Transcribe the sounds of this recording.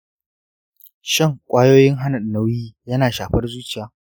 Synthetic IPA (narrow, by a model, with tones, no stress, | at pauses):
ʃɪ˦˨ŋkʷʼaː˦joː˦jɪ˦ŋɦa˦nɐ˨ɗnɐ˦wjiː˦jɐ˦naː˨ʃaː˨ɸɐ˦rzuː˦t͡ʃɪ˦˨jaː˨